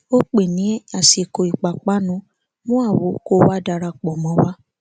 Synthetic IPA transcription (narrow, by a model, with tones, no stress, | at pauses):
o˦k͡pe˨nĩ˨˦ɛ˦a˨si˨ko˨i˨k͡pa˨k͡pa˦nũ˦ | mũ˦a˦˨wo˨˦ko˦wa˦da˧ɾa˧k͡pɔ˨mɔ̃˨˦wa˦